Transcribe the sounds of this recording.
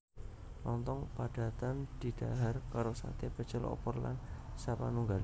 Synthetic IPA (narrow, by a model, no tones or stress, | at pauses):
lɔnt̪ɔŋpaɖ̥a̤t̪amd̪̥i̤d̪̥aɦarkaɾosa̰t̪ebəd̥t͡ʃəlɔ̰pɔrla̰nsapa̰nuŋɡal